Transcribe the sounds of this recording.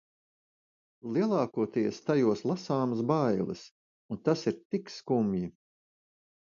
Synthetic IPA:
lˠiɛlˠɑːkuɔt̪iɛst̪ajuɔslˠasaːmɐs̬bajlˠɨ̰s | unt̪asiɾt̪ikskumji

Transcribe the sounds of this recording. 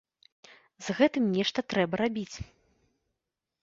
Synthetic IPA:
zɣɛt̪ɨmnʲɛʂt̪ɐt̪ɾɛbɐɾabʲit͡sʲ

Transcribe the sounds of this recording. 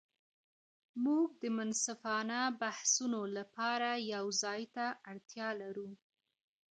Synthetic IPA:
muɡ̚d̪əmʊnsafɑnabahsunolapɑɾajawzɑjt̪aʔaɽt̪jɑlaɾu

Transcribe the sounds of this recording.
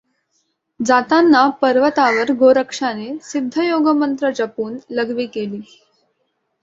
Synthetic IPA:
d͡zat̪anːapəɾʋət̪aʋəɾɡoɾəkʂanesid̪ʱːəjoɡəmənt̪ɾət͡ɕəpuːnləɡʋiːkeliː

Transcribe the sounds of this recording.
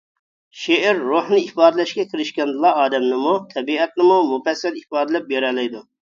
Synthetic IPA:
ʃeʔɛɾːohnɨifɑːd̪ɪlɛʃkʲɛkʲʰiɾɪʃkʲɛnd̪ɨlˠɑɑːd̪ɛmnɪmut̪ʰɛbiɛt̪̚nɪmumufɛsːɛlipɑːd̪ɨlɛp̚beɾɛlɛjd̪u

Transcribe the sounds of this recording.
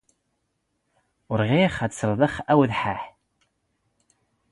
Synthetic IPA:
ʊɾʁiχæt̪səɾˤðˤəχæwðħaħ

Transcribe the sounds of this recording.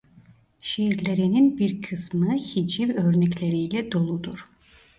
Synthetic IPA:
ʃeiɾlʲeɾininbiɾkʰɯsmɯçid͡ʒivøɾnɛclʲeɾijlʲɛd̪o̞lˠud̪uɾ̥

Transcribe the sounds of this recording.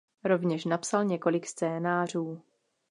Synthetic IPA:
ɾo̞vɲɛʃnapsalɲɛko̞lɪkst͡sɛːnaːr̝uː

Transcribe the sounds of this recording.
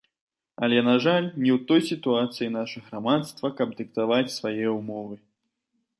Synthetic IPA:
ɐ̰lʲɛnaʐalʲnʲɛwt̪ɔjsʲit̪uat̪sɨjinaʂɨɣɾamat̪st̪vɐkɐb̚d̪ɨkt̪avat͡sʲsvajɛumɔvɨ

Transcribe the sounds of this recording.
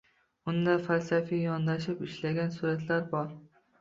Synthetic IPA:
ʊnd̪afalsafajɒnd̪aʃɪpɪʃlaɡʲansuɾat̪laɾbɒɾ

